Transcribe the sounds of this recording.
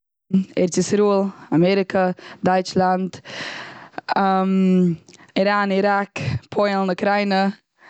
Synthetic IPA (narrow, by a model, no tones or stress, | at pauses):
ɛ̰ɾt͡sɪsɾuːlˠamɛɾɪkʰədɔɪt͡ʃlˠant | am | ɪɾaːniɾakpʰɔɪlˠnəkɾaɪnə